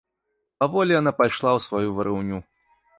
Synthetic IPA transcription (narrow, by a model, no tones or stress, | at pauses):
pavɔlʲijanapajʂlˠawsvajuvɐɾʔɨwnʲu